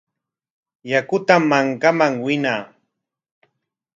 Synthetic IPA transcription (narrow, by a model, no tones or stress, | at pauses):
jakʊt̪amːaŋkamaŋwɪnaː